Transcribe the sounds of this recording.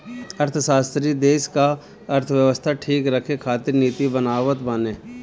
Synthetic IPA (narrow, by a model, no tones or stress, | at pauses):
ɐɾt̪ʰəsaːst̪ɾid̪eːʃka | ɐɾt̪ʰʋjəʋəst̪ʰaʈʰiːkɾɐkʰekʰaːt̪ɪɾniːt̪ibənaːʋət̪bəneː